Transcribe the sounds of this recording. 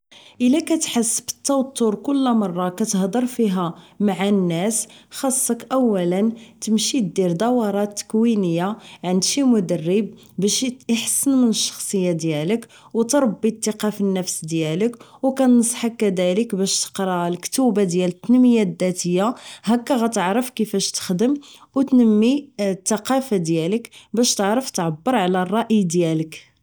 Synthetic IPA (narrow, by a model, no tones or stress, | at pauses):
ʔəlækæt̪ħəsːbə̥t̪ːɑwt̪ːuɾkʊlːmɑrˤːɑkæt̪əhd̪ˤɑɾˤfiɦæmaʕanːæsxɑsˤːɑkʔæwːælənt̪əmʃid̪iɾd̪ɑwɑɾˤɑt̪ːə̥kwinəjːaʕənd̪ʃimʊd̪ərːəb̚ | bæʃəħsənmənəʃːɑ̥xsˤəjːad̪jælək | wt̪ɾˤɑbːit̪ːəqɑfənːəfsd̪jæləkwkænnsˤħakːæd̪æləkbæʃt̪ə̥qɾˤɑlkt̪ubad̪jælət̪ːənməjad̪ːæt̪əjːahækːæɣæt̪əʕɾəfkəfæʃt̪ə̥xd̪əmwt̪nəmːit̪ːɑqɑfad̪jæləkbæʃt̪əʕɾəft̪ʕabːəɾˤʕlærˤːɑʔəjd̪jælək